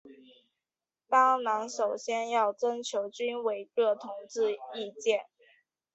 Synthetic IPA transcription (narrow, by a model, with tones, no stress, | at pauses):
t̪ɑ˥nɑ˧˥ŋʂo˨˩ʊɕjɛ˥njɑ˥˩ʊt͡sə˥nt͡ɕʰjo˧˥ʊt͡ɕy˥nwe˧˩ɪɻɤ˥˩t̪ʰʊ˧˥ŋt͡sɻ̩˥˧i˥˧t͡ɕjɛ˥˩n